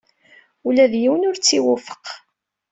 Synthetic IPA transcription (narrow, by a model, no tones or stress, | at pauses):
ulæðjiwənʊɾt͡sːiwufə̥q